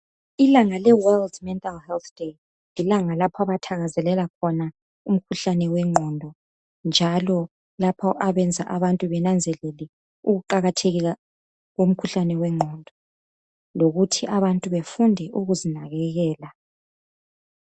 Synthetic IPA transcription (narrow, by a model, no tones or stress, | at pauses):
ilaŋalɛwɛldmɛntʼalhɛlθd̥e | lilaŋalapʰaβatʰaɣazɛlɛlakʰɔna | um̩kʰuɬanɛwɛŋ͡ǃʱɔndʱɔ | nd͡ʒʱalɔ | lapʰɔʔaβɛnd͡zʱaʔaβantʼuβɛnand͡zʱɛlelɛ | uɣuǃaɣatʰeɣiɣa | ɣom̩kʰuɬanɛwɛŋ͡ǃʱɔndʱɔ | loɣutʰiʔaβantʼuβefundʱɛʔuɣuzinaɣɛɣɛːla